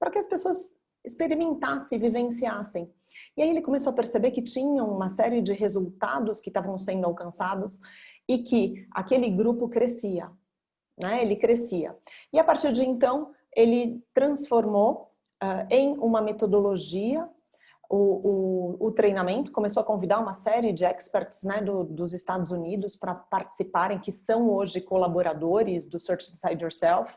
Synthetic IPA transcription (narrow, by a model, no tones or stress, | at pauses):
pɾɐkɪɐspesoɐs | ɪspeɾimẽnt̪asɪ̃vivẽsiasẽj̃ | ɪaielɪkomesoɐpeɾsebekɪt͡ʃĩɲɐ̃w̃ũmɐsɛɾiɪd͡ʒɪɦezult̪a̰d̪ʊskɪst̪avɐ̃w̃sẽnd̪ʊawkɐ̃sad̪ʊsɪkʰɪa̰kelɪɡɾupʊkɾesiɐ̰ | nɛelɪkɾesiɐ̰ɪapaɾt͡ʃiɾd͡ʒɪẽnt̪ɐ̃w̃ | elɪt̪ɾɐ̃sfoɾmo | ɛẽj̃ũmɐmet̪od̪oloʒiɐ | ʊʊːt̪ɾejnamẽnt̪ʊ̥kõmes̬owɐkõvid̪aɾũmɐsɛɾɪɪd͡ʒɪɛkspɛɾt͡ʃɪ̥znɛd̪ʊd̪ʊzɪst̪ad̪ʊzunid̪ʊspɾɐpaɾt͡ʃɪ̥sipaɾẽj̃kɪsɐ̃w̃oʒɪkolaboɾad̪oɾɪzd̪ʊseɾt͡ʃifi̥sajd͡ʒoɾsɛlf